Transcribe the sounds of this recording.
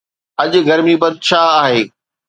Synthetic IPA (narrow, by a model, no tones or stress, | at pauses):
ɐʄɡɐɾmibɐd̪ʃʰaːaːɦeː